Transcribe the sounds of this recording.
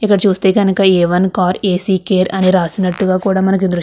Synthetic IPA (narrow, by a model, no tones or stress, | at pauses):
ikːɐɽɐt͡ʃuːst̪e̞ːkɐnukɐɛːʋɐnkaːɾeːsiːkeːɾɐniɾaːsinɐʈːuɡaːkuːɽaːmɐnɐk̬id̪ɾu